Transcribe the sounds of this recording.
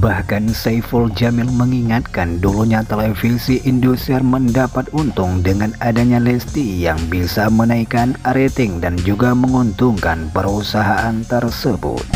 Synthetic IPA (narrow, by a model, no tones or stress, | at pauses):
bahkansaifuld͡ʒamɪlməŋiŋat̪̚kanduluɲat̪elefisiʔindusɛrməndapat̪̚unt̪ʊŋdəŋanadaɲalɛst̪ijaŋbisamənaikanaɾet̪ɪŋdand͡ʒuɡaməŋunt̪uŋkanpəɾusaɦaʔant̪ərsəbʊ̰t̪̚